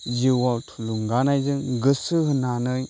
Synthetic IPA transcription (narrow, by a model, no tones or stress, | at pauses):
ziwawtʰuluŋɡanajzɯŋɡɯsɯɦɯnanɯj